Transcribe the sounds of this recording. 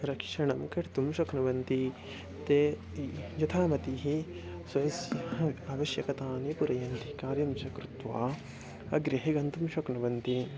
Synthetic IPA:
ɾɐkʃɐɳɐmkɐʈt̪umʃɐknɐʋɐnt̪i | t̪e | jɐt̪ʰaːmɐt̪iɦi | sɐjɐsjɐaːʋɐʃjɐkɐt̪aːnepuɾɐjɐnt̪ikaːɾjɐmt͡ʃɐkɾut̪ʋa̰ː | ɐɡɾeɦeɡɐnt̪umʃɐknɐʋɐnt̪i

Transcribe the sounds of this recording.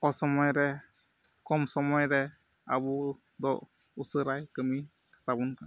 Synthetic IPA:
ɔsɔmɔjɾɛ | kɔmsɔmɔjɾɛ | a̰bu | d̪ɔ | usəɾajkəmi | sabunka

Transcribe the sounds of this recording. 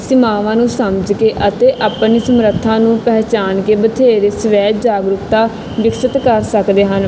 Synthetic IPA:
sɪmaːʋãːnũːsəmd͡ʒkeːʔət̪eːʔaːpniːsəmɾət̪ʰːãːnũːpɛːt͡ʃaːnkeːbət̪ʰeːɾeːsəʋɛːt̪d͡ʒaːɡɾʊkt̪aː | ʋɪksət̪kəɾsəkd̪eːɦən

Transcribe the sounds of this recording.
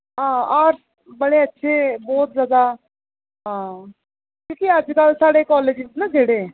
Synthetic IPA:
ɦãːaːɾs | bəɽeətːʃʰeːbɔːt̪zjaːd̪a | ɦãː | kjõːkiəd͡ʒkəlsaːɽekɔːleːd͡ʒt̪nãd͡ʒʱeːɽeː

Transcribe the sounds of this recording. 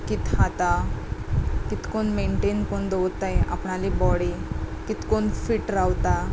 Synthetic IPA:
kit̪ɦãt̪a | kit̪konmeɳʈenkoɳd̪owt̪ːajʔa̰pɳalibɔɽekit̪koɳfiːʈɾawt̪a

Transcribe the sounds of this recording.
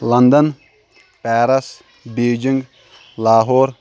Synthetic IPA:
lɐnd̪ɐn | pɛːɾɐs | beːd͡ʒiŋɡ | laːɦoːɾ

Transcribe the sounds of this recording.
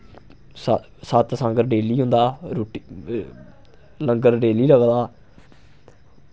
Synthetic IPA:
s | sat̪sãːŋɡəɾɖeːliːɦʊ̃nd̪aːɾoːʈi | ləŋɡəɾɖeːliːləɡd̪aː

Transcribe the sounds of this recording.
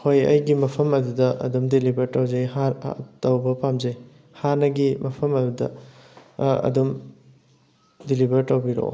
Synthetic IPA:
hojɐ̰jɡimɐpʰɐmɐdudɐʔɐ̰dumdilibɐɾtɐwzɐjɦaɾtɐwbɐpamzɐj | hanɐɡimɐpʰɐmɐdudɐ̰ | ɐ̰dum | dilibɐɾtɐwbiɾo̰

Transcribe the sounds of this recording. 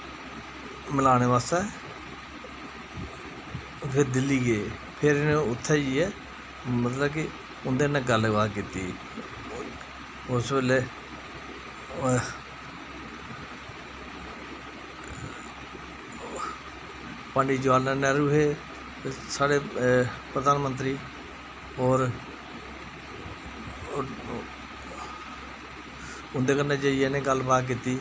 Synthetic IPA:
məlaːñeːʋaːst̪ɛː | kʰɪd̪ɪliːɡeː | pʰɪɾnẽʊt̪ʰːɛːd͡ʒiːɛː | mət̪ləbkɪ | ʊnd̪eːnɛ̃ːɡəlʋaːkit̪iː | ʊsbeːleː | pãːɳɖiːd͡ʒaːlneneɾuːɦeː | saːɽeːpɾəd̪aːnmə̃nt̪ɾiː | ɔːɾ | ʊnd̪eːkənːeːd͡ʒeijenẽːɡəlbaːk̬iːt̪iː

